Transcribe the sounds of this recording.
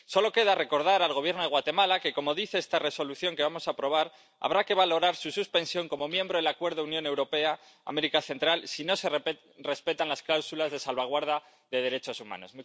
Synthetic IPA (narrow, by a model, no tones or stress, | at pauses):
so̞lo̞ke̞ðare̞ko̞ɾð̞aɾalɣ̞oβjeɾnoe̞ɣwat̪e̞malake̞ko̞mo̞ðiθe̞est̪are̞so̞luθjo̞ŋke̞βamo̞sapɾo̞β̞aɾ | a̰β̞ɾake̞βalo̞ɾaɾsususpẽ̞nsjo̞ŋko̞mo̞mjẽ̞mbɾoðelakwe̞ɾðounjo̞ne̞wɾo̞pe̞a | a̰me̞ɾikaθe̞nt̪ɾalsino̞se̞ | re̞spe̞t̪anlasklawsulazðe̞salβaɣ̞waɾða | ðe̞ð̞e̞ɾe̞t͡ʃo̞suma̰no̞smu